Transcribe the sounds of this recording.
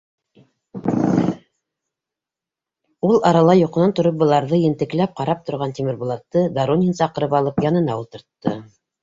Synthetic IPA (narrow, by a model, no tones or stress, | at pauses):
ulˠɑɾɑlˠɑjŏqɤ̆nɑnt̪ŏɾop̚bɤ̆lˠɑɾðɤjɘ̆nt̪ɘ̆klæp̚qɑɾɑp̚t̪ŏɾʁɑnt̪imɘ̆ɾbulˠɑt̪ːɤd̪aɾonʲinsɑqɤ̆ɾɤpɑlˠɤpjɑnɤ̆nɑulˠt̪ɤ̆ɾt̪ːɤ̰